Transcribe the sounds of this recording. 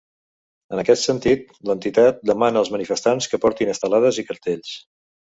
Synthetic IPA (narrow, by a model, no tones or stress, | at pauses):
ənəkɛt̪sənt̪it̪̚ | lənt̪it̪at̪̚d̪əmanəːlˠzmənifəst̪anskəpɔɾt̪inəst̪əlaðəzikəɾt̪eʎs